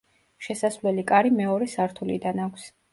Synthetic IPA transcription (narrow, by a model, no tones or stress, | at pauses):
ʃɛsasvlɛlikʼaɾimɛɔɾɛsaɾt̪ʰulḭd̪anakʷʰs